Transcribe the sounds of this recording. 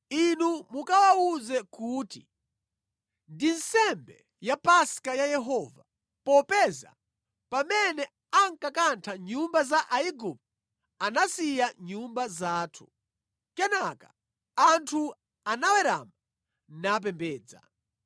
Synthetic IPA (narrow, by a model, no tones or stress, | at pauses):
inumukawauzɛkuːti | ndin̩sɛmbɛ̰ | japaskajajɛɦɔva | pɔpɛza̰ | pamɛnɛ | aŋkakantʰaɲumbazaʔaiɡup̚ | anasijaɲumbazaːtʰu̥ | kɛnaka | antʰu | anawɛɾa̰ma | nap̬ɛmbɛːd͡za̰